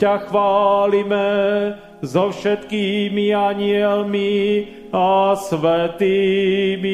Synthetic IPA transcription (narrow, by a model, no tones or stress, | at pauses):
axʋaːlimɛ | zɔfʃɛt̪kiːmiaɲɪɛlmi | asʋɛt̪imi